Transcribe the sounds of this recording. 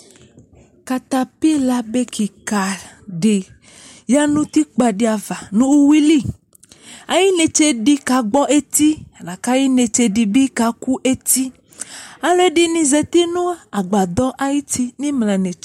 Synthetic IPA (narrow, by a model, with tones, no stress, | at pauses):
ka˨t̪a˨pi˦la˦be˦ki˨ka˨ | ɖe˨ | ja˦nũ˦t̪i˦k͡pa˨ɖi˦a˨va˨nũ˦wu˦wi˦li˦ | a˨ji˦ne˨t͡ʃe˦ɖi˦ka˨ɡ͡bɔ˦ʔe˦t̪i˦a˨la˨ka˦ji˦ne˨t͡ʃe˨ɖi˨bi˦ka˨ku˦ʔe˦t̪i˦ | a˨le˦ɖi˦nĩ˨ze˨t̪i˦nũ˦a˨ɡ͡ba˨d̪ɔ˦ʔa˨ji˦t̪i˦nĩ˦mlã˨nẽ˨t͡ʃ